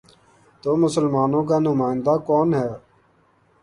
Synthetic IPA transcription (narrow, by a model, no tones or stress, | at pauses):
t̪oːmʊsəlmaːnõːk̬aːnʊmaːɪnd̪aːkoːnɦɛː